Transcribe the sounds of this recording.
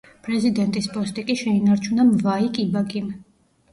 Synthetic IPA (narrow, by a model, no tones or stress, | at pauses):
pʼɾɛzid̪ɛnt̪ʼispʼɔst̪ʼikʼiʃɛinaɾt͡ʃʰunamvaikʼibaɡʼim